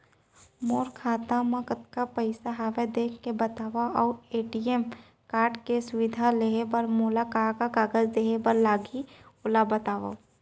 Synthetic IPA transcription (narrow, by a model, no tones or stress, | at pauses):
moːɾkʰaːt̪amãkət̪kapəɪsaɦaːʋed̪eːkʰkebət̪aːʋaʔɔːɾeːʈiem | kaːɾʈkesʊʋɪd̪ʱaleɦebəɾmoːlakaːkakaːɡəd͡ʒd̪eːɦebəɾlaːɡiʊlabət̪aːʋa̰